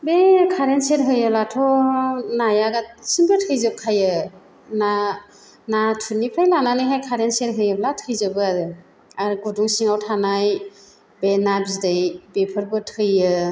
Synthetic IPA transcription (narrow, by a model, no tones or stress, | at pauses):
bekʰaɾenseɾɦɯjɯlatʰɔnajaɡat̚sinbɯtʰɯjzɯp̚kʰajɯ | na | natʰɯnipʰɾajlananɯɦajkʰaɾenseɾɦɯjɯblatʰɯjzɯbɯaɾɯ | aɾɡuduŋsiŋawtʰanaj | benabizdɯjbepʰɯɾbɯtʰɯjɯ